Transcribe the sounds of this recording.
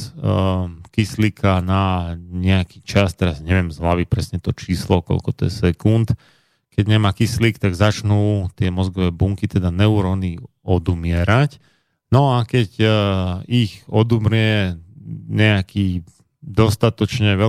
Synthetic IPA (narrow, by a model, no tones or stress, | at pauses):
kislikʰanaɲɛakiːt͡ʃast̪ɛɾazɲɛʋɪɛmzɦlaʋipɾɛsɲɛt̪ɔt͡ʃiːslɔkɔ̰lkɔt̪ɔ̰jɛsɛkunt̪ | kɛɟɲɛmaːkislikt̪aɡzat͡ʃnuːt̪ɪɛmɔzɡɔʋɛːbuŋkit̪ɛd̪anɛuɾɔːni | ɔd̪umɪɛɾac | nɔakɛɟ | ixɔd̪umɾɪɛ | ɲɛakiː | d̪ɔst̪at̪ɔt͡ʃɲɛʋɛ